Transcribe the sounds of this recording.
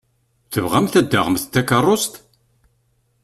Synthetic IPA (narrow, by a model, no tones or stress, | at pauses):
θəvʁæmθæd̪ːa̰ʁəmθt̪ːækɑrˤːost̪